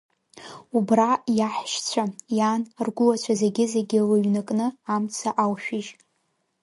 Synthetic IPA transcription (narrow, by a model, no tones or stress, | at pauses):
ubrajaħʃt͡ɕʷʰajanrɡʷʊlat͡ɕʷʰaze̞ɡʲɪze̞ɡʲɪlɨɥnɨkʼnɨamt͡sʰaʔawʃᶣɪʒ